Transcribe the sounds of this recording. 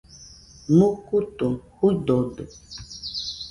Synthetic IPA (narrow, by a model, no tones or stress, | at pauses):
mukut̪omhudɔdɛ